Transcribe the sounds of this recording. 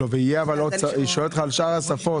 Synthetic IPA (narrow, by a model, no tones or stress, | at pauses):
oveijeavalodsaiʃoelt̪χaːlʃaʁasafo